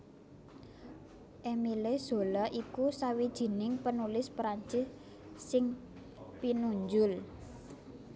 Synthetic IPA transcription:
ʔemilez̥o̤lɔʔikusawid̥ʒ̥i̤nɪŋpənulɪspɾaɲt͡ʃɪs | sɪŋ | pinuɲd͡ʒʊl

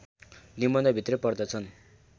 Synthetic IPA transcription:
nimʌnd̪ʌbʱit̪rʌpʌrd̪ʌt͡sʰʌn

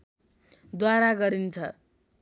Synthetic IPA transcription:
d̪waɾaɡʌɾint͡sʰʌ

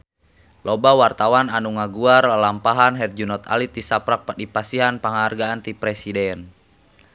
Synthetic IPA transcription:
lɔbawart̪awananuŋaɡuaralampaɦanɦɛrd͡ʒunɔt̪a̰lit̪̚isapɾak̚pdipasiɦanpaŋarɡaːnt̪ipɾɛsidɛn

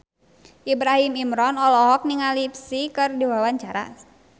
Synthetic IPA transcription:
ʔibɾaɦimimɾɔnɔlɔɦɔk̚niŋalipsikɨrdiwawaɲt͡ʃaɾa̰

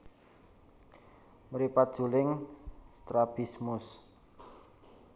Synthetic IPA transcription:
məɾipat̪̚d̥ʒ̥ṳlɪŋst̪ɾab̥ismʊs

